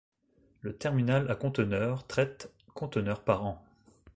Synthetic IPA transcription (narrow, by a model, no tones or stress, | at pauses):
lət̪ɛʁminalakɔ̃t̪ənœʁt̪χɛt̪ | kɔ̃t̪ənœʁpaʁɑ̃